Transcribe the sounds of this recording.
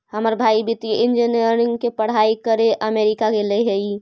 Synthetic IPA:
həməɾbʱaibit̪iind͡ʒiniəɾɾiŋɡkepəɽ̤aikəɾeʔəmeɾikaɡeleɦəi

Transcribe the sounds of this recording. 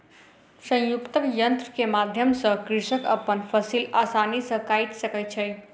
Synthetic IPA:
sə̃j̃jukt̪əkjənt̪ɾkemad̪ʱjəmsə̃kɾisəkəpənfʰəsilasanisə̃kait̪səkət͡ʃʰəj

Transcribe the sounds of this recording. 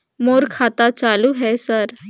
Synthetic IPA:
moːɾkʰaːt̪at͡ʃaːluɦɛsɐɾ

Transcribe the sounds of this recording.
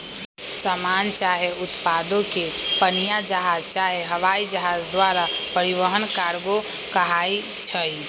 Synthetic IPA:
səmant͡ʃaɦeut̪pad̪õkepənijad͡ʒəɦad͡ʒt͡ʃaɦeɦəʋaid͡ʒəɦad͡ʒd̪waɾapəɾiβəɦənkaɾɡokəɦai | t͡ʃʰəj

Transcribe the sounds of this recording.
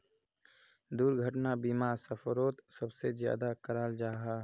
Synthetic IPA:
d̪uːɾɡʱəʈnabiːmaːsəpʰɾoːt̪sɐbsezja̰ːd̪akɐɾaːld͡ʒaːɦa

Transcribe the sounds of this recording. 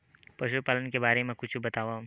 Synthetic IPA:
pɾɐʃupaːlənkebaːɾemẽkʊt͡ʃʰbɐt̪aːʋã

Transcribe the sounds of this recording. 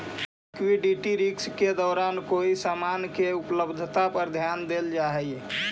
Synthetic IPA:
kwiɖiʈiɾiksked̪ɔːɾaːnkoːisamankeʊpləbd̪ʱt̪apəɾd̪ʱjaːnd̪eld͡ʒaɦɛi

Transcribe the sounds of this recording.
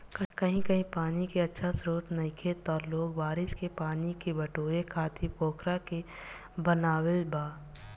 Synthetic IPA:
kkɐɦĩkɐɦĩpaːnikeɐtːʃʰasɾuːt̪nɐɪkʰet̪ɔːloːɡbaːɾɪskepaːnikebɐʈoːɾekʰaːt̪ipoːkʰɾake | bənaːwelbaː

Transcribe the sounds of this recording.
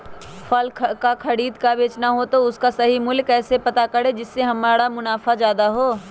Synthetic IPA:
fʰɐlkakʰɐɽiːd̪kabeːt͡ʃnaɦot̪oʊskasɐɦimʊlkɛːsepɐt̪akɐɽed͡ʒɪsːeɦɐmaːɽamʊnaːfad͡ʒjaːd̪aɦoː

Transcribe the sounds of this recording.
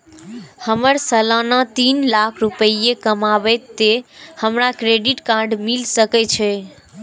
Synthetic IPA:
həməɾsəlanat̪inlakʰɾupəjekəmabɛt̪ːehəmɾakɾeɖiʈkaɾɖmilsəkɛt͡ʃʰɛ

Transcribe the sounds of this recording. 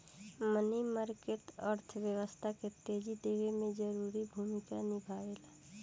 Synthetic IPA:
mənimaːɾkeʈəɾt̪ʰʋjəwəst̪ʰaket̪eːd͡ʒid̪eʋemẽd͡ʒəɾuːɾibʱuːmɪkanɪbʱaːela

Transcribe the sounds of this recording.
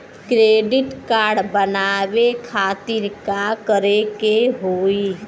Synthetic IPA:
kɾeːɖɪʈkaːɾɖbənaːwekʰaːt̪ɪɾkakəɾekeɦoːi

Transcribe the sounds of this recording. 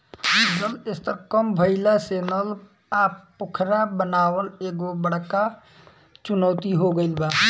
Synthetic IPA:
d͡ʒəlɪst̪əɾkəmbʱəɪlaseːnəl | aːppʊkʰɾabənaːwəneːɡobəɽka | t͡ʃʊnɔːt̪iɦoɡəɪlbaː

